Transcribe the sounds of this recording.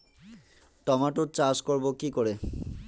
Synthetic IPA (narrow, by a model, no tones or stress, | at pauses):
ʈɔmaʈuɾt͡ɕaʃkoɾbokikoɾe